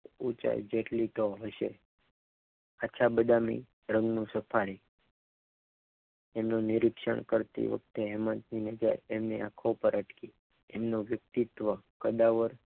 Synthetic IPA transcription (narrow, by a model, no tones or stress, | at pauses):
ut͡ʃa̰jd͡ʒeʈlit̪oɦəʃe | at͡ʃʰabəd̪amḭ | ɾə̃ŋɡnũsəpʰaɾi | emnonɪɾɪkʃə̰ɳ̃kəɾt̪ḭʋə̰k̚t̪eɦɛmət̪ninəd͡ʒa̰ɾemneakʰoupəɾəʈki | emnõʋjək̚t̪it̪ʋəkəd̪aʋəɾ